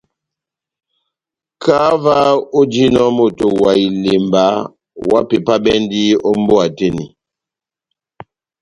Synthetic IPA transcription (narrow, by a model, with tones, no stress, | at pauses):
kʰa˦va˦o˦d͡ʒi˦nɔ˦mo˨to˨wa˨i˨le˨mba˨˦ | wa̰˦pe˨pa˦bɛ˦ndi˦ɔ˦m˦bo˦a˨te˦nḭ˨